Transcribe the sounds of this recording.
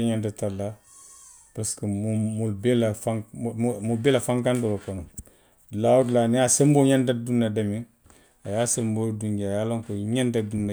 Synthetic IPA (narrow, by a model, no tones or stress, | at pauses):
ɲandatalːa | pɾaskəmumulbelafaŋmubelafaŋkanduwakonu | lawudlaniasemboɲandadunːadamiŋ | ajasemboduŋɡajaːloŋkoɲandadunːa